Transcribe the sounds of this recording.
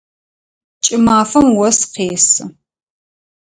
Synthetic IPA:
t͡ʃʼɪmaːfɐmwɔsqeːsɨ

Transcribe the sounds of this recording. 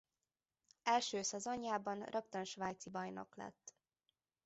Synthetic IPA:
ɛlʃøːsɛzo̞ɲjaːbɒnrʔɒpt̪ɒnʃʋaːjt̪sibɒjno̞̰klɛ̰t̪ː

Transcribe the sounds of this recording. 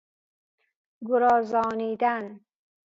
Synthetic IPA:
ɡoɾɒːzɒːniːd̪æn

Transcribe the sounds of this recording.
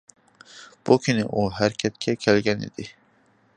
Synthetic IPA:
b̥ukʲʰinɪʔuɦæɾkʲʰɛt̪̚kʲʰɛkʲʰelɡʲɛnḭd̪ɪ

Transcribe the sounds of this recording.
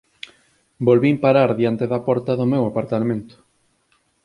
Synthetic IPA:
bolβimpaɾaɾðjant̪eðapɔɾt̪ɐðʊmewapaɾt̪amẽnt̪ʊ̥

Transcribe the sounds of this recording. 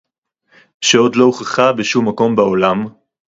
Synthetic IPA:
ʃeo̞dlo̞oχeχabeʃumːako̞mbaolam

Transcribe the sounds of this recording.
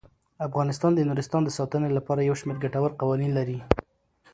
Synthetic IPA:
afɣɑnɪst̪ɑnd̪ənuɾɪst̪ɑnd̪əsɑt̪ənelapɑɾajawʃmeɾɡaʈawəɾqawɑninlaɾi

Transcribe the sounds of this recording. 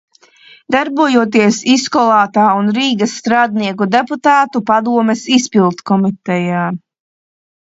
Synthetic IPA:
d̪aɾbuɔjuɔt̪̬iɛsiskɔlˠaːt̪aːunɾiːɡɐsːt̪ɾaːd̪niɛkud̪eput̪aːt̪upad̪uɔmɛsispilˠt̪kɔmit̪ɛjaː

